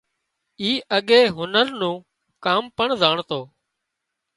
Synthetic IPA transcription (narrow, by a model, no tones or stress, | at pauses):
iːʔəɠeːɦʊnəɾnũː | kaːmpəɳzaːɳt̪oː